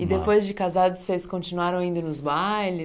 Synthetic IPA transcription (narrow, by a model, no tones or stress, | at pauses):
ɪd̪epojzd͡ʒɪkazad̪ʊsejskõt͡ʃinuaɾɐ̃w̃aĩnd̪ʊnʊzbajlɪ